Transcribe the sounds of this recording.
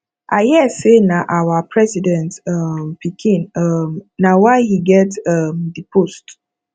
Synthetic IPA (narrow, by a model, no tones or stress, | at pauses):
ʔaɪjɛsenaʔawapʰɹɛsidɛ̃ntʌmpikʰĩnʌmːawaɪhiɡɛtʌmdipʰost